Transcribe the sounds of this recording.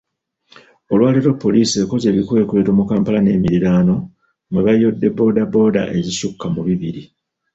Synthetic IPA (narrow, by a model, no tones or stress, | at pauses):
o̞lwaːliɾo̞pːo̞liːse̞ːko̞ze̞βikue̞ːkue̞ːtomukaːmpalane̞ːmiɾiɾaːno̞ | mweβajo̞dːe̞bo̞ːdabo̞ːda̰ʔe̞zisukːamuβiβiɾi